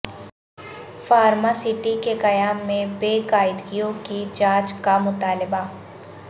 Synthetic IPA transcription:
faːɾmasɪʈikekɐjaːmːẽbeːkaːɪd̪ɡijõkid͡ʒãːt͡ʃkamʊt̪aːlɪba

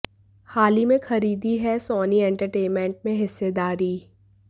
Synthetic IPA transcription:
haːlimẽxɐɾiːd̪iɦɛsɔːniɛ̃ɳʈəɾʈeːnmẽɳʈ̚mẽɦɪsːed̪aːɾiː

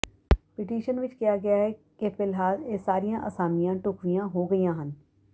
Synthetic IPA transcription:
pɪʈiːʃənʋɪt͡ʃkijaɡɐjaɦɛ | kepɪlɦaːlesaːɾijãʔəsaːmijãːʈʊkʋijãɦoːɡɐijãːɦən

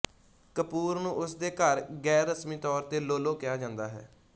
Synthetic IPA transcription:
kəpuːɾnũːʔʊsd̪eːkəɾɡɛːɾːəsmiːt̪ɔːɾt̪eːloːloːkɪjaːd͡ʒãːnd̪aːɦɛ̰ː

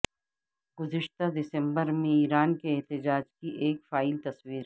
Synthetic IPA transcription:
ɡ̥ʊzɪʃt̪ad̪ɪsə̃mbəɾmẽiːɾaːnkeɛɦt̪ɪd͡ʒaːd͡ʒkiʔeːkfaːɪlt̪ɐswiːɾ

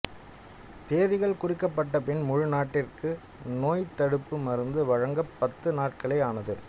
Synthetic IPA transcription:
t̪eːðɪɣɐɭkʊrɪkːɐpːɐʈːɐpɪnmʊɻʊnaːʈːɪrkɯ | noːjt̪ɐɽɯpːɯmɐɾɯnd̪ɯʋɐɻɐŋɡɐpːɐt̪ːɯnaːʈ̚kɐɭɐɪaːnɐðɯ

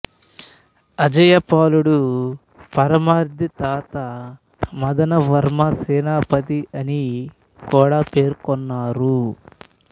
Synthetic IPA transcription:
ɐd͡ʒɐjɐpaːluɽu | pɐɾɐmaːɾd̪ʱit̪aːt̪ɐ | mɐd̪ɐnɐʋɐɾmɐsɛːnaːpɐt̪iʔɐni | kɔːɽaːpe̞ːɾkɔnːaːɾu

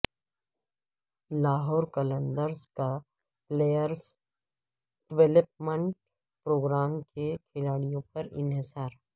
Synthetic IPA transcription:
laːɦɔːɾkɐlə̃nd̪əɾska | pleːjəɾs | ɖ̥ɪʋeləp̚mə̃ɳʈ̚ | pɾoːɡɾaːmkekʰɪlaːɽijõpɐɾɪ̰nɦɪsaːɾ

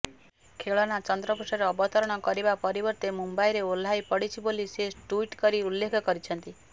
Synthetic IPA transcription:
kʰeɭɔnat͡ʃɔnd̪ɾɔpusɔɾeɔbɔt̪ɔɾɔɽ̃ɔkɔɾibapɔɾibɔɾt̪emumbajɾeol̤ajpɔɽit͡ʃʰiboliseʈuiʈkɔɾiulːekʰɔkɔɾit͡ʃʰɔnt̪i

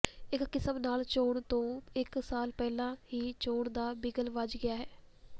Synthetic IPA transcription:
ɪkːɪsəmnaːlt͡ʃoːɽt̪õːɪksaːlpɛːlãːɦiːt͡ʃoːɳd̪aːbɪɡəlʋəd͡ʒɡɪaːɦɛː

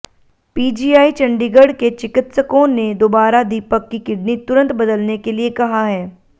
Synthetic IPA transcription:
piːd͡ʒiːaːit͡ʃɐ̃ɳɖiɡəɽket͡ʃɪkɪt̪səkõːned̪oːbaːɾad̪iːpəkːikɪɖnit̪ʊɾə̃nt̪bɐd̪əlnekeliekɐɦaɦɛː

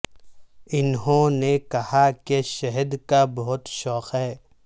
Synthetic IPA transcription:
ɪnɦõnekɐhakeʃɐɦəd̪kabɐɦʊt̪ʃɔːqɦɛː

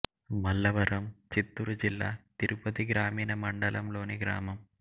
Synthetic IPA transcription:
mɐlːɐʋɐɾɐmt͡ʃit̪ːuɾud͡ʒilːa̰ːt̪iɾupɐt̪iɡɾaːmiːnɐmɐɳɖɐlʔɐmlo̞ːniɡɾa̰ːmɐm

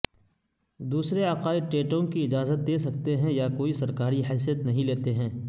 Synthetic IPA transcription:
d̪uːsɾeaːqaːɪʈeːʈõkiɪd͡ʒaːzət̪̚d̪eːsɐk̚t̪eɦɛ̃jakoːisɐɾkaːɾiɦɛːsijət̪nɐɦĩleːt̪eɦɛ̃ː

